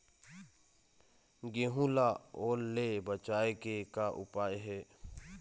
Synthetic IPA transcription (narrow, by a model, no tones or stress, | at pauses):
ɡeɦũlaoːɾlebət͡ʃaːekekaʔʊ̰paːjɦɛː